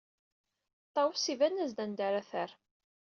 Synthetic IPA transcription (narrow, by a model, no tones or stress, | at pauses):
t̪ˤːɑwsivænːæzd̪ænd̪æɾæθəɾ